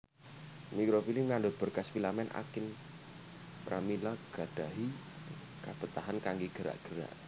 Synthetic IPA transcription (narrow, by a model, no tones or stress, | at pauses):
mikɾofilimŋandʊt̪̚b̥ə̤rkasfilamɛnʔa̰kɪn | pɾʔamilaɡ̥ad̥aɦi | kab̥ət̪aɦankaŋɡiɡ̥əɾa̰ʔɡ̥əɾa̰ʔ